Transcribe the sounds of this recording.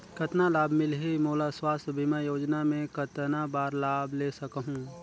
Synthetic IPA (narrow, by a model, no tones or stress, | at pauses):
kət̪nalaːbmɪlɦimoːlaswaːsbʱimɛ̃joːd͡ʒnamẽkət̪nabaːɾlaːbʱlesəkɦũː